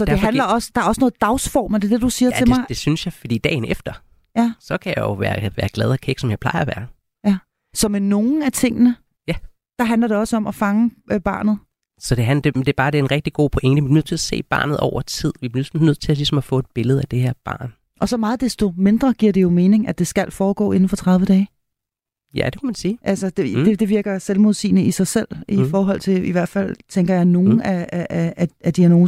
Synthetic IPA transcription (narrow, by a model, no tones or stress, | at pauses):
sɒ̽d̥e̝ɦænlɐɒ̽səd̥ɑ̈ɐɒ̽sənɔ̽ð̩ˠd̥ɑ̈ʊsfɒ̰ːmd̥e̝ɐd̥e̝d̥usiːɐt͡sʰe̝mɑɪd̥esynsjɑ̈ɪfɒd̥ḭːd̥ɛ̰ːɪnefd̥ɐ | jæsɒ̽kʰæjɑjoʋæːɐʋæːɐɡ̥lɛð̞ˠɒkʰeɡ̥sɒmjɑ̈ɪpʰlɑ̈ɪɐæʋæːɐ | jæ | sɒ̽meno̝ːn̩æt͡sʰe̝ŋ̰nə | jæ | d̥ɑ̈ɦænlɐɾe̝ɒ̽səɒ̽mʔæfɑ̈ŋəb̥ɑ̰̈ːnð̩ˠ | sɒ̽d̥e̝ɦænd̥ed̥e̝b̥ɑ̈ːd̥e̝æɐenʁɛɡ̥̚d̥iɡ̥o̝̰ːpʰoʔeŋ̰ɡ̥əʋminøð̰ˠt͡sʰelæse̝̰ːb̥ɑ̈ːnð̩ˠɒ̰ʊɐt͡sʰið̞̰ˠʋib̥lisn̩nøð̰ˠt͡sʰe̝ælisɒ̽mɒfɔ̰̽ːe̝d̥̚b̥e̝ləð̞̩ˠæd̥e̝heɐ̰b̥ɑ̰̈ːn | ʔɒ̽sɒ̽mɑ̈ːð̞̩ˠd̥esd̥o̝me̝nd̥ʁɐɡ̥iɐ̰ɾ̥e̝jo̝me̝ːne̝ŋæd̥e̝sɡ̥æl̰fɒːɡ̥ɔ̰ːe̝n̩fɒ̽t͡sʰʁɑ̈ð̞ˠʋəd̥ɛː | jæd̥e̝kʰæmænsiːʔælsɐd̥edd̥ed̥e̝ʋiɐɡ̥ɐselmo̝ð̞ˠsḭːnəisɑ̈ɪsel̰ifɒːɦɒ̽l̰t͡sʰe̝liʋæɐ̰d̥fæl̰t͡sʰeŋɡ̥ɐjɑ̈ɪno̝ːnn̩ææææd̥iæɐno̝ː